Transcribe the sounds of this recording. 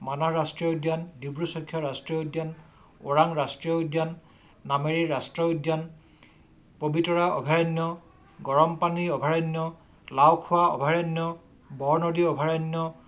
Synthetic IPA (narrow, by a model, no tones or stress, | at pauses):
manaɹastɹiɔudjandibɹusɔkʰːjaɹastɹiɔudjan | o̰ɹaŋɹastɹiɔdjanː | ameɹiɹastɹɔudjan | pobitɔɹaɔ̰bʱaɹɔnjɔ | ɡɔɹɔmpaniɔbʱaɹɔnːjɔ | lawkʰʊwaɔ̰bʱaɹanːɔ | bɔɹnodiɔbʱaɹanːjɔ